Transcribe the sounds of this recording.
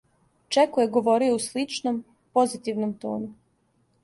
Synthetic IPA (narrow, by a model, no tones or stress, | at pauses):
t͡ʃekojeɡo̞ʋo̞ɾijouslit͡ʃnom | po̞zit̪iʋnomt̪o̰ːnu